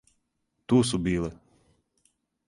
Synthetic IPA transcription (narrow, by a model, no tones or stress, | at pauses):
t̪uːsubʲiːlˠɛ